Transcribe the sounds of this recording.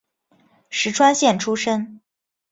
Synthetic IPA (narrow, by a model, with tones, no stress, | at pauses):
ʂɻ̩˧˥ʈ͡ʂʰwa˥nɕjɛ˥˩nʈ͡ʂʰu˥ʂə˥ŋ